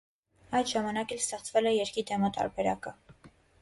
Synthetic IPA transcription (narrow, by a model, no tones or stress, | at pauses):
ɑjd̪ʒɑmɑnɑkɛlst̪ɛχt͡svɛlɛjɛɾkid̪ɛmɑt̪ɑ̰ɾbɛɾɑkə